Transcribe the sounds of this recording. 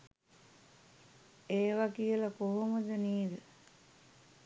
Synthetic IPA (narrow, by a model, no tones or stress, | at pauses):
eːʋakijəlakoɦoməd̪əniːd̪ə